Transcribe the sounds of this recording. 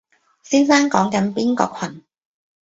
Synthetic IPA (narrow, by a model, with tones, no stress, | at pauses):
siː˥nsaː˥ŋkɔː˨˥ŋkɐ˨˥npiː˥nkɔ̰ː˧kʰɐ˨˩n